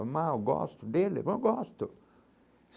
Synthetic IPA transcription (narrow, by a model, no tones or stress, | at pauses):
omajɔɡɔ̰st̪od̪elːḛpoɡɔst̪o | s